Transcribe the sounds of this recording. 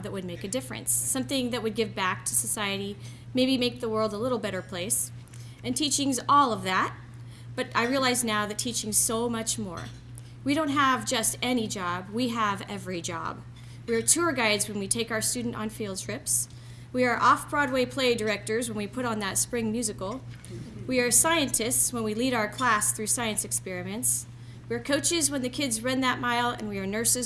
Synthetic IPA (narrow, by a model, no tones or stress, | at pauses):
ðɨt̚wɨd̚meɪkɨdɪfɹɨ̰̃nsːʌ̃mθɪ̃ŋðɨt̚wɨd̚ɡɪvbæk̚tʰɨsɨsaɪɨɾi | meɪbimeɪk̚ðəwɜ˞lˠdəlɪɾl̩ˠbɛɾə˞pʰl̥eɪs | ɨ̃ntʰit͡ʃɪ̃ŋzɔlˠʌvðæt̚ | b̥ʌɾaɪɹiəlaɪznaʊðɨtʰit͡ʃɪ̃ŋz̥soʊmʌt͡ʃmɔ̰ɹ | wiɾõʊ̃nt̚ɦəvd͡ʒʌstɛnid͡ʒɑbwiəvɛvɹid͡ʒɑ̰b̚ | wiə˞tʰʊɹɡaɪdzwə̃nwitʰeɪkaʊə˞stʉdⁿn̩tn̩filˠd̚tʰɹ̥ɪps | wiə˞ʔɔfb̥ɹɔd̚weɪpʰl̥eɪdə˞ɛk̚tə˞zwə̃nwipʰʊɾn̩ðətspɹɪ̃ŋmjʉzɨkl̩ˠ | wiə˞saɪɨ̃ntʰɨstswə̃nwiliɾaʊə˞kʰl̥æsθɹʉsaɪɨ̃nsɨkspɛɹɨmɨ̃nts | wiə˞kʰoʊt͡ʃɪzwə̃nðɨkʰɪdzɹʌ̃nðɨt̚maɪlˠɨ̰̃nwiə˞nɜ˞sɨz